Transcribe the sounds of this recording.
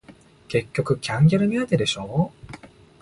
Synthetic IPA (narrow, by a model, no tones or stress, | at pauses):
ke̞kʲːo̞kɯ̟kʲãŋɡʲeɾɯ̟mʲiat̪ed̪e̞ɕo̞ː